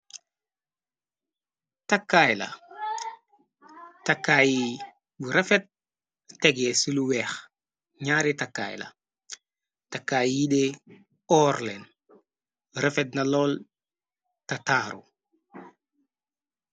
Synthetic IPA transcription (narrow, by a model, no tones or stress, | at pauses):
takːajlɐ̰ | takːaji | buɾɛfɛt̚ | tɛɡɛsuluwɛːx | ɲaːɾitakːa̰ːjlɐ̰ | takːajide | ɔːɾlɛn | ɾɛfɛt̚nɐlɔl | tɐtaːɾṵ